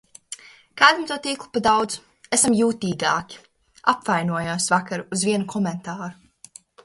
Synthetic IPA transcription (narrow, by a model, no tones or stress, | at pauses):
kaːd̪amt̪uɔt̪iːklˠupad̪awd̪zu̥ | esamjuːt̪iːɡaːkʲi̥ | apvajnuɔjaːsvakaɾːzvʲiɛnukʰɔmɛnt̪aːɾu